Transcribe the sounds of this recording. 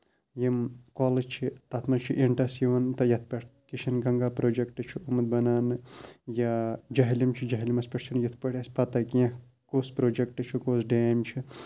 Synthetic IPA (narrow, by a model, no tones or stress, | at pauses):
jimkoːlɐt͡ʃʰit̪ɐt̪ʰmɐnt͡ʃʰiʔiɳʈɐsjiʋɐnt̪ɐjɐt̪̚ʰpɐʈʰkiʃʰɐnɡɐŋɡaːpɾoːd͡ʒekʈɨt͡ʃʰiumɨt̪̚bɐnaːnɨjad͡ʒɐɦilimt͡ʃʰid͡ʒɐɦilimɐspɐʈt͡ʃʰunjɐt̪ʰpɐʈʰɐsʲpɐt̪ɐkiã | koːspɾoːd͡ʒek̚ʈɨt͡ʃʰikoːsɖeːmt͡ʃʰi